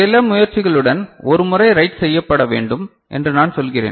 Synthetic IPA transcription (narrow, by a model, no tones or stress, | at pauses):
sɪlɐmʊjɐɾt͡ʃɪɣɐɭɯɽɐnɔɾɯmʊrɐɪɾɐɪʈsɛjːɐpːɐɽɐʋḛːɳɖɯm | ʔɛ̰ndrɯnaːnsɔlɣɪrḛːn